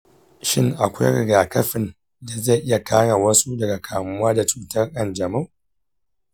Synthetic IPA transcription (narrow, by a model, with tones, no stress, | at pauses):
ʃɪ˦ŋʔa˨kʷa̰˦ɾɪ˨ɡaː˨kɐ˦ɸɪ˨n | da˨za˦˨jʔɪ˦ja˨kʰaː˦ɽa˨wɐ˦su˦dɐ˨ɡa˨kʰaː˨mʊ˦waː˦da˨t͡ʃuː˨tɐ˦rʔɐ˦˨nd͡ʒɐ˨ma˦˨